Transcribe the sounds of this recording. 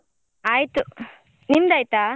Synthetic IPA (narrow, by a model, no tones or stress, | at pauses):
aːjt̪u | nimd̪aːjt̪aː